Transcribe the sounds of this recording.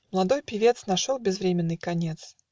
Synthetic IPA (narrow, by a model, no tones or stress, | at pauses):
məlˠɐd̪o̞jpʲɪvʲe̞t̪snɐʂolˠbʲɪzvɾʲemʲɪnːɨjkɐnʲet̪s